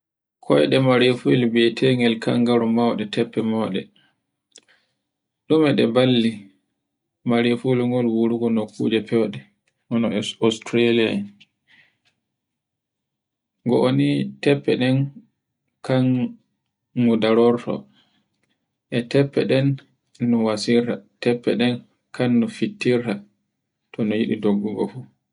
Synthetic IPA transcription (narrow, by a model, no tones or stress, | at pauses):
kʰɔjɗɛmaɾefulbɛtʰeŋɡɛlkaŋɡaɾumawɗɛtʰɛpːɛmaɗɛ | ɗumɛɗɛbalːi | maɾefulŋɡɔlwuɾuɡɔnokʰːṵd͡ʒɛpɛwɗɛ | ʔɔnɔɔstɾalia̰n | ŋɡɔʔonitɛpːɛ̰ɗɛn | kanː | udaɾɔɾtʰɔ̰ | ʔɛtɛpːɛɗɛnː | ɔwasiɾtatɛpːɛ̰ɗɛn | kʰanːɔfitːiɾta | tʰɔnɔjiɗidoɡːuɡɔ̰fu